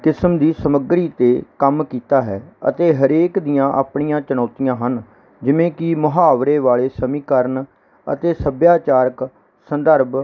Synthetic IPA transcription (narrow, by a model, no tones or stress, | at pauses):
kɪsmd̪iːsəməɡɾiːt̪eːkəmkiːt̪aːɦɛːə̰t̪eːɦəɾeːkd̪ijãːʔa̰ːpɳijãːt͡ʃənɔːt̪ijãːɦən | d͡ʒɪʋẽːkɪmʊɦaːʋɾeːʋaːɭeːsəmĩːkəɾn | ə̰t̪eːsəbjaːt͡ʃaːɾək | sənd̪əɾb